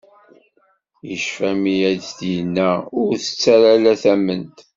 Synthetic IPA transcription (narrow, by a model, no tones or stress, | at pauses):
jəʃfæmijæddiənːæʊɾθə̥t͡sːæɾalæθæmənt̪